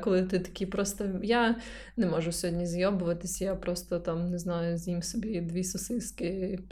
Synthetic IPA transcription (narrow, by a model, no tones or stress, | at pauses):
kɔlˠɪt̪ɪt̪ɐ̥kʲipɾɔst̪ɔja | nɛmɔʒʊsʲɔɦɔdʲnʲizʲjɔbʊʋɐt̪ɪsʲjapɾɔst̪ɔt̪amnɛznɑjʊzʲjimsɔbʲid̪ʋʲisɔsɪskɪ